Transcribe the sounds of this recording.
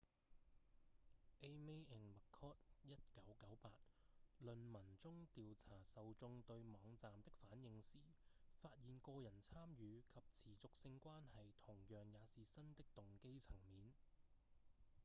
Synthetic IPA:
ʔe˥jme˥jɛː˨˩nmɐ˨kʰːɔː˥t̚jɐ˥t̚kɐ˨˥wkɐ˨˥wpaː˧t̚lɵ˨nmɐ˨˩nt͡sʊ˥ŋt̪iː˨wt͡sʰaː˨˩sɐ˨wt͡sʊ˧ŋt̪ɵ˧ɥmɔː˨˧ŋt͡saː˨mt̪ɪ˥k̚faː˨˥njɪ˧ŋsiː˨˩faː˧t̚jiː˨˩nkɔː˧jɐ˨˩nt͡sʰaː˥mjyː˨˧kʰɐ˨p̚t͡sʰiː˨˩t͡sʊ˨k̚sɪ˧ŋkʷaː˥nhɐ˨jt̪ʰʊ˨˩ŋjœː˨ŋjaː˨˧siː˨sɐ˥nt̪ɪ˥k̚t̪ʊ˨ŋke˥jt͡sʰɐ˨˩ŋmiː˨˧n

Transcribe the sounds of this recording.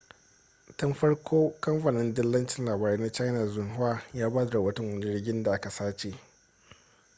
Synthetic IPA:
tɐ˦mɸɐ˦ɽkʷʰoː˦kɐ˦mɸa˨nɪ˦ndɪ˦lːɐ˦nt͡ʃɪ˦˨nlaː˨baː˨ɾeː˦na˦t͡ʃa˦jna˨zʊ˨nɦʊ˦waː˦jaː˦baː˦da˨ɽɐ˨wɐ˦tɐ˨ŋwɐ˦ni˦ɽɪ˦ɡʲɪ˦nda˨ʔa˦ka˨saː˦t͡ʃe˨ʔ

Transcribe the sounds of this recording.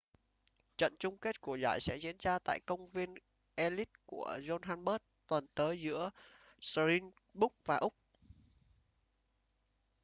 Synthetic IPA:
t͡ɕə̰˧˨nt͡ɕʊ˧ŋ͡mke˦˥t̚ku˧˩əza̰ː˧˩jsɛ̰˧˥zḭ˧˥ənzaː˧t̪a̰ː˧˨jkə˧wŋ͡mvi˧ən | ʔe˧li˦˥t̚ku˧˩əzo˧nɦaː˧nɓəː˦˥t̚t̪wə˨˩nt̪əː˨˦jzɨ̰˧˥ə | sli˧n | ɓʊ˦˥k͡p̚vaː˨˩ʔʊ˦˥k͡p̚

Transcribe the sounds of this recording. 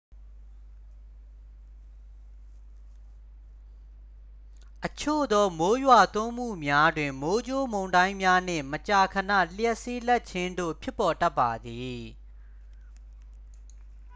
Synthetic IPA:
ʔət͡ɕʰo̰˦˨d̪ɔ˦mo˦jwa˨t̪ʊ̃˦m̥ṵ˦˨mja˦dwɪ̃˨mo˦d͡ʑo˦mõ˨ʊ̃ndã˦ɪ̃mja˦n̥ɪ̰̃˦˨mət͡ɕa˨kʰənä̰˦˨l̥jɛ˦ʔsi˦lɛ˦ʔ̚t͡ɕʰɪ̃˦ndo̰˦˨pʰjɪ˦pːɔ˨ta˦pːa˨d̪i˨

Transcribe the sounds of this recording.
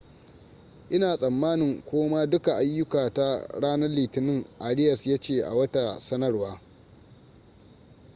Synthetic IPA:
ʔɪ˦naː˨sʼɐ˨mːaː˦nɪ˨ŋkʷoː˦ma˦dʊ˦ka˨ʔa˦jːʊ˦kaː˨ta˦ɽaː˦nɐ˦rliː˨tɪ˨nɪ˦ŋʔaː˨ɽɪ˦jɐ˨sjaː˦t͡ʃeː˨ʔa̰˨wɐ˦ta˨sɐ˦nɐ˦rwaː˦

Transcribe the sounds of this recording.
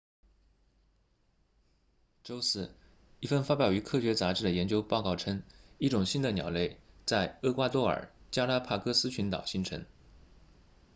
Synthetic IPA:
ʈ͡ʂo˥ʊsɹ̩˥˩ | i˥˩fə˥˩nfa˥pjɑ˨˩ʊy˧˥kʰɤ˥˧ɕɥɛ˧˥t͡sa˧˥ʈ͡ʂɻ̩˥d̪ə˩jɛ˧˥nt͡ɕjo˥ʊpɑ˥˧ʊkɑ˥˩ʊʈ͡ʂʰɤ˥ŋi˥˩ʈ͡ʂʊ˨˩ŋɕi˥nd̪ə˨njɑ̰˨˩ʊle˥˩ɪt͡sa˥˧ɪɤ˥kwa˥t̪wɔ˥˩ə̰˞˨˩t͡ɕja˥la˥pʰa˥˩kɤ˥sɹ̩˥t͡ɕʰy˧˥nt̪ɑ̰˨˩ʊɕi˥nʈ͡ʂʰɤ̰˧˥ŋ

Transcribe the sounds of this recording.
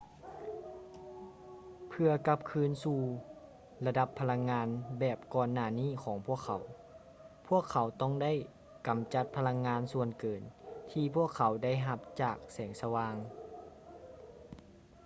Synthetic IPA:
pʰɯ˧ɐka˧p̚kʰɯː˧˥nsuː˧˩ | la˧da˧pʰːa˧la˧˥ŋːaː˧nbɛː˨˩p̚kɔː˧˩nːaː˧˩niː˥˩˨kʰɔː˩˦ŋpʰu˥˩əkʰa˨˩˦w | pʰu˥˩əkʰːa˨˦wt̪ɔ˥˩ŋda˥˨j | ka˨˩mt͡ɕa˧˦t̪̚pʰa˧la˧˥ŋːaː˧˥nsu˧ənkɤː˨˩nt̪ʰiː˧pʰu˥˩əkʰːa˨˦wda˥˩˨jɦa˧p̚t͡ɕaː˨˩k̚sɛː˩˦ŋsa˧waː˧ŋ

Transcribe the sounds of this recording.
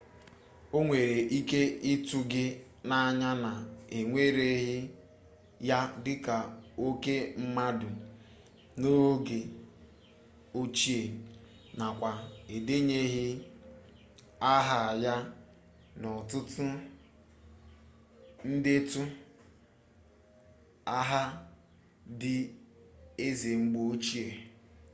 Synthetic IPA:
o˦ŋʷe˨ɾe˨ʔi˦ke˦ɪ˦tu˦ɡɪ˦ | na˦˨ɲa˦na˨e˨ŋʷe˦ɾe˨ɦɪ˦ | ja˦dɪ˦ka˨o˦ke˦m̩˦ma˦dʊ˨ | no˦ɡe˨ | o˦t͡ʃi˦e˨ | na˨kʷa˨e˨de˦ɲe˦ɦɪ˦ | a˦ɦa˨ja˦ | nɔ˨tʊ˦tʊ˦ | n̩˦de˦tu˦ | a˦ɦa˦ | dɪ˦ | e˦ze˨ŋ͡m̩˦ɡ͡bo˦o˦t͡ʃi˦e˨

